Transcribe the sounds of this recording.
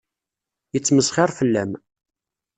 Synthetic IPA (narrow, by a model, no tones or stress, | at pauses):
jət͡sːməsχɪɾˤfəlːæm